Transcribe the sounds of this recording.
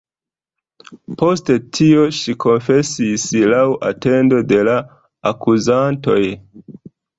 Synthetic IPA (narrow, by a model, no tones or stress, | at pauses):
po̞ste̞tʰio̞ʃikʰo̞nfe̞sislawʔa̰te̞ndo̞de̞laː | kuzanto̞j